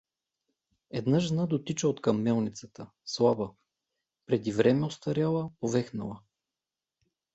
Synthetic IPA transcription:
ɛd̪nəʒnad̪ot̪it͡ʃəot̪kɐmːɛlˠnit̪sət̪ə | slˠabə | pɾɛd̪ivɾɛmɛost̪ɐɾʲalˠəpovɛxnɐlˠə

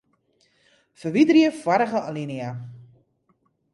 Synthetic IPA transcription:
fəʋidriəfwaɾəɣəalinia

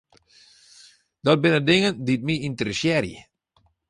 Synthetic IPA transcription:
dɔt̚bɪnədɪŋəndit̚miintərəsjɛɾjə̰

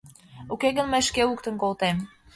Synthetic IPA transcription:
ukeɣə̆nməjʃkeuk̚t̪ə̆nkolt̪em

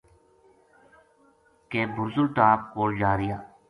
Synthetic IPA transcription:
keːbʱʊɾzʊlʈaːp̚koːld͡ʒaːɾɪjaː

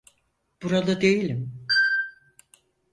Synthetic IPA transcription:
b̥uɾad̪ˠɯd̪ejilʲim

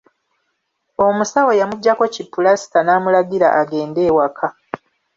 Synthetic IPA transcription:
o̞musawojamuɟːako̞cipːulasi̥tanaːmulaɡiɾa̰ʔaɡe̞ːnde̞ːwakʰa

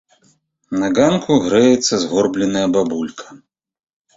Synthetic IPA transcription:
nɐɡankʰuɣɾɛjɛt̪sːɐzɣɔrblʲɛnɐjɐbabulʲkʰɐ̥

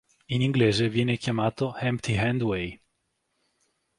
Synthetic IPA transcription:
iniŋɡleːzevjɛːnekjamaːt̪ohɛmpt̪iɦɛnd̪wej

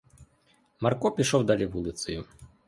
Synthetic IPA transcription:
markɔpʲiʂɔwd̪alʲivulʲˠit̪sɨju

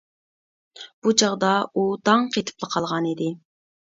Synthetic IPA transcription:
b̥ud͡ʒɑʁd̪ɑud̪ɑŋqʰet̪ʰɨ̥plˠəqʰɑlˠʁɑnid̪ɪ

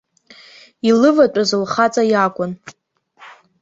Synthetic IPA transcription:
ilɨvat͡pʷʼazɨlχat͡sʼajakʷʼʊn

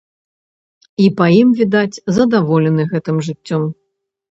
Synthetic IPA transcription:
ipɐjimvʲid̪at͡sʲzɐd̪avɔlʲɛnɨɣɛt̪ɨmʐɨt͡sʲːɔm

